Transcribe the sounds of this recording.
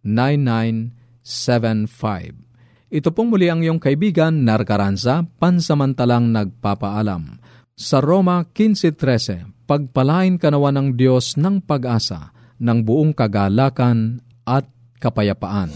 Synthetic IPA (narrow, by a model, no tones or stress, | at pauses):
najnːajn | sɛvɛnfa̰jb | ʔɪt̪opoŋmʊliʔɐŋɪjoŋkɐʔɪbiːɡɐnːɐɾkɐɾansapansɐmɐnt̪alaŋnɐɡ̚papaʔala̰m | sɐɾomɐkinsɛt̪ɾɛsɛ̰pɐɡ̚pɐlaːʔɪnkɐnɐwanɐŋd̪jo̞snɐŋpɐɡʔaːsa̰ | nɐŋbʊʔoŋkɐɡaːlaːkɐn | ʔɐt̪̚ | kɐpɐjɐpaʔan